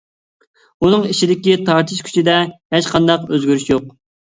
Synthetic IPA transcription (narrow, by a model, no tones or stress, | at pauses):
unɨŋiʃid̪ɪkʲit̪ʰɑɾt̪ʰiʃkʲʰy̥t͡ʃʰid̪ɛheʃqʰɑnd̪ɑqøzɡʲyɾyʃjoq